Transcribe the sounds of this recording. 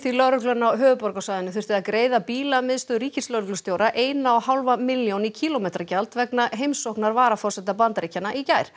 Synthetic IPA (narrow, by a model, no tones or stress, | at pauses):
θilœɾʏklʏnawɦœːvʏpɔɾkawsajðɪnʏθʏ̥t̪ɪaðkɾeːjðapiːlamɪðst̪ʏɾiːcɪslœɾʏklʏ̥st̪joːwɾaʔeːjnaawhawlvamɪljownicʰiːlomejt̪ɾacalt̪vɛknaɦejmsowhknaɾvaːɾafɔr̥sɛt̪apant̪ɾicanaʔicaːjɾ̥